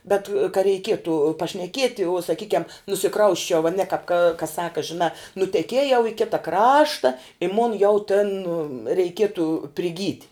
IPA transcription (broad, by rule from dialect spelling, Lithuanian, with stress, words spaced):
ˈbʲɛt kɐ rʲɛɪˈkʲiɛtʊ pɐʃʲnʲɛˈkʲiɛtʲɪ uɔ sɐˈkʲiːkʲɛm nʊsʲɪˈkrɐʊsʲt͡ʃʲɛʊ ɐˈnʲɛ kɐp kɐ kɐ ˈsɑːkɐ ʒʲɪˈnɑː nʊtʲɛˈkʲiɛjɛʊ ɪ ˈkʲɪtɐ ˈkrɑːʃtɐ ɪ moːn jɛʊ tʲɛn rʲɛɪˈkʲiɛtʊ pʲrʲɪˈɡʲiːtʲ